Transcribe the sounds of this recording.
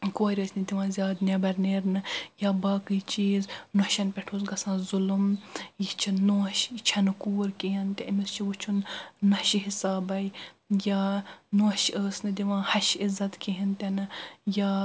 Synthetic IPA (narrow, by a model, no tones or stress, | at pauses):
koːɾʲɐːsnid̪ʲiʋãːzʲjaːd̪nʲɐbɐɾneːɾnɨjaːbaːkɨːt͡ʃiːznoʃɐnpʲɛʈʰoːs̬ɡɐsãːzʊlumjit͡ʃʰinːuʃt͡ʃʰɐnɨkuːɾkiɦɐnt̪ɐɐmist͡ʃʰiʋut͡ʃʰunːɐʃiɦisaːbɐj | jaːnuːʃəːsnɨd̪ʲiʋãːhɐʃizɐt̪kiɦɐnt̪ʲɐnɨjaː